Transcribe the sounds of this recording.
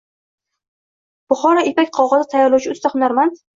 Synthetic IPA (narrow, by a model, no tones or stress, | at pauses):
b̥ʊχɒɾɒepakʲqʰɒʁɑzɪt̪ʰajaɾlˠawt͡ʃʰɪʊst̪aχʊnaɾman